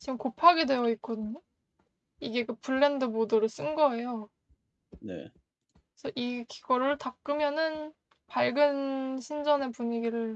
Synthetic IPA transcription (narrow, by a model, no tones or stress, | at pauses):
t͡ɕiɡɯmkopʰaɡe̞dwe̞jʌik͈odɯɲo | iɡe̞kɯpʰuɭːendɯmodoɾɯɭs͈ɯnɡʌe̞jo | ne̞̰ | esʰʌʔiki̥ɡ̥ʌɾɯɭtak̚k͈ɯmjʌnɯn | paɭɡɯnɕʰind͡ʑʌne̞puɲiɡiɾɯɭ